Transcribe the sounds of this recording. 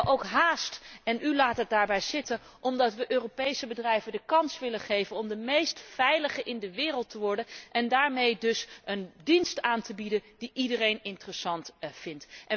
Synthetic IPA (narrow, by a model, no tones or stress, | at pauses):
ʔowkɦaːstɛnʔylaːtɦət̚daːɹbɛjzɪtən | ʔɔmdɑtʋəʔøːropejsəbədrɛjvəndəkɑnsʋɪləχejvənɔmdəmejstfɛjləχəʔɪndəʋɪːrəlˠtəʋɔɹdənʔɛndaːɹmejdɵsʔəndinstaːntəbidənd̥iʔidərejnɪntərəsɑntfɪntʔɛ